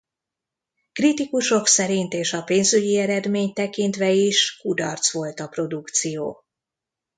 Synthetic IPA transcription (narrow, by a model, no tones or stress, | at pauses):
krit̪ikuʃo̞ksɛɾint̪eːʃɒpeːnzyɟiɛɾɛd̪meːɲt̪ɛkint̪ʋɛiʃkud̪ɒrt̪sʋo̞lt̪ɒpro̞d̪ukt̪sijoː